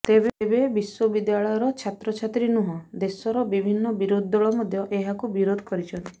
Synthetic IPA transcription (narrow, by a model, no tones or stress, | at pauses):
t̪ebebebiswɔbid̪jaɭɔjɔɾɔt͡ʃʰat̪ɾɔt͡ʃʰat̪ɾinuɦɔ̃d̪esɔɾɔbibʱinːɔbiɾod̪ʱːɔɭɔmɔd̪ʱjɔʔeɦakubiɾod̪ʱɔkɔɾit͡ʃʰɔnt̪i̥